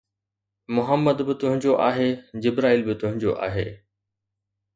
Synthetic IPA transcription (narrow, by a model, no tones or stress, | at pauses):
mʊɦəmːəd̪bɪt̪ʊɦɪ̃ɲd͡ʑoʔaːɦed͡ʑɪbɾaːiːlbɪt̪ʊɦɪ̃ɲd͡ʑo̰ʔa̰ːɦeː